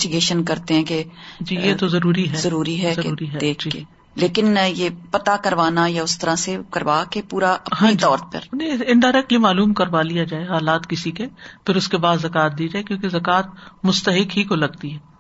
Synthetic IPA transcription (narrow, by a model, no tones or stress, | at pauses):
ʈɪɡeːʃənkɐɾt̪ẽɦɛ̃ked͡ʒiːjet̪ozɐɾuːɾiɦɛzɐɾuːɾiɦɛzɐɾuːɾiɦɛeːd͡ʒiːe | leːkɪnjeːpɐt̪akɐɾʋaːnajaʊst̪ɐɾãsekɐɾʋaːkepuːɾaʔɐpɦañːid͡ʒiɔːɾt̪̚pɐ̰ɾnẽɪɪ̃ɳɖaːɾɛːk̚ʈlimaːluːmkɐɾʋalijad͡ʒaːeɦaːlaːt̪kɪsikepʰɪɾʊskebaːd̪zɐkaːt̪̚d̪iːd͡ʒaːekjõːkezɐkaːt̪̚mʊst̪əɦɪkɦikolɐɡt̪iɦɛː